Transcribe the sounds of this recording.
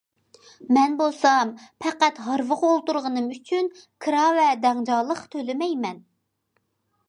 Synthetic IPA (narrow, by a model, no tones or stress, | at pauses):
mɛnbolˠsɑmpʰɛqæt̪ɦɑɾvəʁolˠt̪uɾʁənɨmyt͡ʃʰynkʰɨɾɑvɛd̪ɛŋd͡ʒɑlˠəqt̪ʰølɪmɛjmɛn